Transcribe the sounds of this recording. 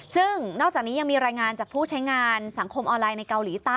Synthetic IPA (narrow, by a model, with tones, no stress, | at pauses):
sɯ˥˩ŋnɔː˥˩k̚t͡ɕaː˨˩k̚niː˦˥ja˧ŋmiː˧ɾaː˧jŋaː˧nt͡ɕaː˨˩k̚pʰuː˥˩t͡ɕʰa˦˥jŋaː˧nsa˩˦ŋkʰo˧mʔɔː˧nlaː˧jna˧jka˧wliː˩˦t̪aː˥˩